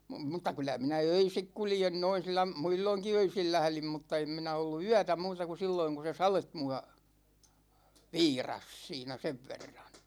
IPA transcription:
mŭtˑɑ kylæ minæ øisik kuljen noin̞ silːɑ muilːoŋki øisil læhlim mutːɑ em minæ olːu yætæ muːtɑ ku silːoiŋ ku se sɑlet muɑ ʋiːrɑs siːnæ seʋ ʋerːɑn̥

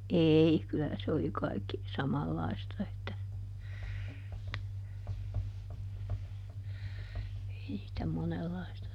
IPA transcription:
ei kylæ se oli kɑikːi sɑmɑlːɑistɑ etːæ ei sĭtæ monelːɑistɑ

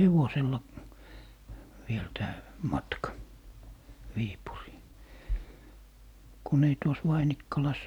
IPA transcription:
heʋoselːɑ ʋiel tæː mɑtkɑ ʋiːpuriː kun ei tuos ʋɑinikːɑlɑs

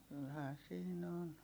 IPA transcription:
kylhæːn siːn on

